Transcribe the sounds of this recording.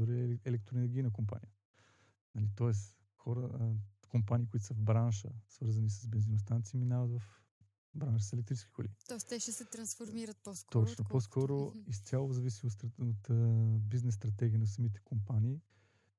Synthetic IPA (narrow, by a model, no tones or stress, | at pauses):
ɾɛɛlɛk̚t̪ɾoɛnɛɾɡʲinək̬ompa̰nijə | nɐlit̪ɔɛs | xɔɾəkompaniːkʊit̪ʊ̥səvbɾanʃə̰svɤɾzɐnisɐsbɛnzinost̪anɐt̪siminavəd̪vɐf | bɾanʃəsɛlɛk̚t̪ɾit͡ʃɛ̥skʲi̥xolḭt̪ɔɛst̪ɛʃɛsɛt̪ɾɐ̃nsfoɾmiɾət̪̚pɔst̪ɔt͡ʃnoposkʰɔɾoist̪sʲjalˠʊzɐvisioɾot̪biznɛsːt̪ɾɐt̪ɛɡʲiənɐsɐmit̪ɛ̥kompaniː